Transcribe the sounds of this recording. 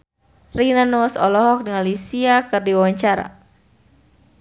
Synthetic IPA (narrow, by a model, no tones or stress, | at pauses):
rinanɔsɔlɔɦɔk̚dəŋalisiakɨrdiwawaɲt͡ʃaɾa̰